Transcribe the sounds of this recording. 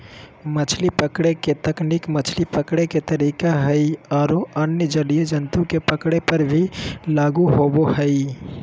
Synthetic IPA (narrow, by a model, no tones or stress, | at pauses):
mət͡ʃʰlipəkɽeket̪əknikmət͡ʃʰlipəkɽeket̪əɾikaɦəjɔːɾoənjəd͡ʒəɽijed͡ʒənt̪ukepəkɽepəɾbʱilaɡuɦobohəɪ